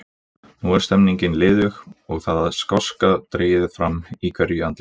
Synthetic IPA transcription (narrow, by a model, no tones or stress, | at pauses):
nuɛɾ̥st̪ɛmniɲcɪnlɪːðʏɣɔɣθaːðaðskɔskat̪ɾeːjɪðfɾamːikʰvɛɾjʏant̪ɪ